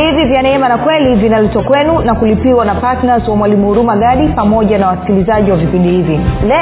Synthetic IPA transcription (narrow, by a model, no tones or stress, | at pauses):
ivivjanɛɛmanakwɛlivinalɛtɔkwɛnunakulipiwanapatnazwamwalimuuɾumaɠaɗipamɔʄanawasi̥kilizaʄiwavipindihivilɛ